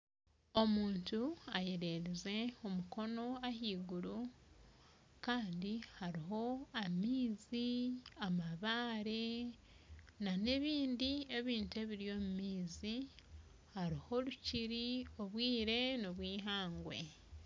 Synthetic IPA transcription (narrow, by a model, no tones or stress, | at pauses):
o̞muːntuajeɾe̞ɾize̞omuko̞no̞ahiːɡuɾu | kaːndihaɾiɦo̞amiːziamaβaːɾe̞ | nane̞βiːndie̞βiːntue̞βiɾijo̞mumiːzi | haɾiho̞luciɾio̞βwiːɾe̞noβwiːɦaːŋɡwe̞̰